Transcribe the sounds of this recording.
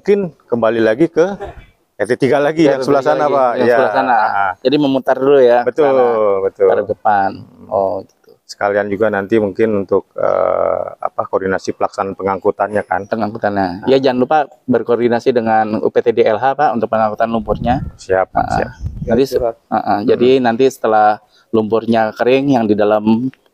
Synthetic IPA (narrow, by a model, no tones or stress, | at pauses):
mŋkɪnkəmbalilaɡikə | ɛt̪et̪iɡalaɡijaŋsəbəlasanapajaŋsabəlasanad͡ʒadiməmut̪arlujabət̪ʊllbət̪ʊəɾədəpanɔɡit̪u̥sə̥kaliand͡ʒuɡanant̪imuŋkɪnunt̪ʊk̚ə̰a̰pakordinasipəlaksananpəŋaŋkut̪anɲaka̰npəŋaŋkut̪anɲaijad͡ʒanlupaʔbərkordinasidəŋanṵpet̪edeɛlɦapaʔunt̪ʊk̚pəŋaŋkut̪anlumpʊrɲasiap̚ʔə̰a̰ant̪isəʔəd͡ʒadinant̪isə̥t̪əlah | lumpʊrɲakəɾɪŋjaŋdidalam